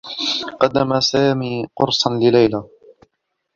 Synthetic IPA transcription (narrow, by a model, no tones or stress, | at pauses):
qɑd̪ːamasaːmiːqʊ̰ɾsˤɑnlɪlajla